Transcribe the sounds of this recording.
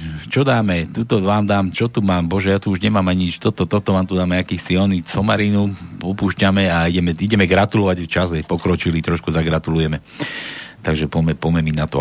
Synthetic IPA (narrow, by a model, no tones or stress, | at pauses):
t͡ʃɔd̪aːmɛt̪ut̪ɔʋaːmd̪aːmt͡ʃɔt̪umaːmbɔʒɛjaːt̪uuʒɲɛmaːmaɲɲit͡ʃt̪ɔt̪ɔt̪ɔt̪ɔʋaːmt̪ud̪aːmɛakiːxsiɔnisɔmaɾiːnuɔpuːʃcamɛaiɟɛmɛiɟɛmɛɡɾat̪ulɔʋaɟft͡ʃazɛpɔkɾɔt͡ʃilit̪ɾɔʃkuzaɡɾat̪ulujɛmɛ | t̪aɡʒɛpɔmɛpɔmɛminat̪ɔ